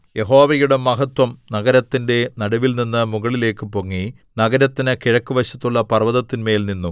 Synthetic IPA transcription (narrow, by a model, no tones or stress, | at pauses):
je̞ɦo̞ːʋɐjuɽe̞mɐɦɐt̪wɐmnɐɡɐɾɐt̪ːinde̞nɐɽɐʋilninːɨmuɣɐɭile̞ːkːɨpoŋːi | nɐɡɐɾɐt̪ːinɨkiɻɐkːuʋɐɕɐt̪ːuɭːɐpɐrʋɐðɐt̪ːinme̞ːlninːu